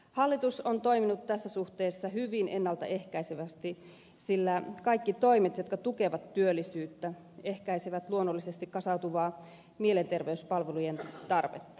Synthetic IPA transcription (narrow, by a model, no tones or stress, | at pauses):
hɑlːit̪usont̪o̞jminut̪t̪æsːæsuht̪eːsːɑɦyʋinʔe̞nːɑlt̪ɑ̰ʔe̞hkæjseʋæst̪i | silːækɑjkːit̪o̞imet̪jo̞t̪kɑt̪uke̞ʋɑt̪ːyølːisyːt̪ːæ | e̞hkæijsiʋæt̪luonːolːisest̪ikkɑsɑut̪uʋɑː | miele̞nt̪e̞rʋeyspɑlʋelujent̪ɑrʋḛt̪ːɑ